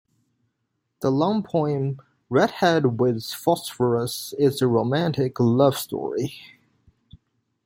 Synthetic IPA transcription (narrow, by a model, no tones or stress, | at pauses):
ðəlʌ̃mpʰɔ̃ɪ̃m | ɹɛd̥̚hɛd̚wɪð̥fɑsfə˞əsɪzəɹoʊmæ̃ntɪklʌv̥stɔ̰ɹi